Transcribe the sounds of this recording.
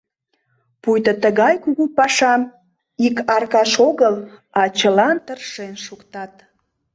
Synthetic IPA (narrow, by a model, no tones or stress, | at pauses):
pujt̪ət̪əɣɑjkuɣupɑʃɑm | ikɑrkɑʃoɣəlɑt͡ɕəlɑnt̪ərʃenʃukt̪ɑt̪